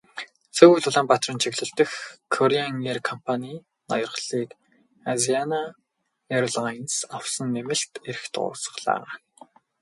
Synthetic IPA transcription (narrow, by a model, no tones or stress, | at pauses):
t͡sɵɣujɮʊɮaːmpat̪rɪ̆nt͡ɕʰiɣɮɘ̆ɬt̪ə̆xkʰːɔɾiaŋerkʰɔmpʰaniː | nɔ̰jɞ̆rχɮiːk | aziana | erɮajnsaw̥sə̆nːemɘ̆ɬt̪eɾɘ̆xt̪ʊ̰ːsə̥̆χɮa̰ː